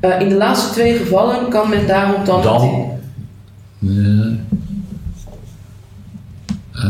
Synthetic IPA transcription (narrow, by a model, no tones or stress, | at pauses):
ʔɪndəlaːtstətʋejχəvɑlənkɑnmɛndaːrɔmdɑn̰